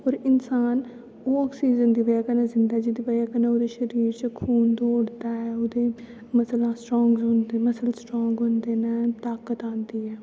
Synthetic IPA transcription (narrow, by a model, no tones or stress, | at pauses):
oːɾɪnsaːn | oːɔːksiːzənd̪iːʋəjaːkənãːzɪnd̪aːd͡ʒiːd̪iːʋəjaːkənãːoːd̪eːʃəɾiːɾt͡ʃəkʰuːnd̪oːɽd̪aːɛːoːd̪eː | məslãːsʈɾɔ̃ːŋɡzɦʊnd̪eːməsəlsʈɾɔːŋɡɦʊnd̪eːnɛːt̪aːkət̪ãːnd̪iːɛː